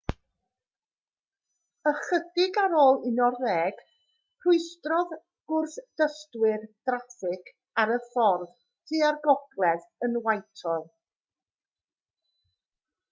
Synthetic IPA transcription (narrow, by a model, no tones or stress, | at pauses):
əχədɪɡaɾoːlˠɪnɔrːɛːɡ̥ | pʰrʊɨstrɔð | ɡ̥ʊrθd̥əstwɪrd̥rafɪkʰ | aɾəfɔrð | tʰiːarɡɔɡlˠɛðənwajtʰɔlˠ